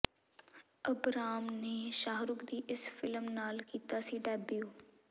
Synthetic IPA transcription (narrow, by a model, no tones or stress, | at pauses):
əbɾaːmneːʃaːɦɾʊkd̪iːʔɪsfɪlmnaːlkiːt̪aːsiːɖɛːbjuː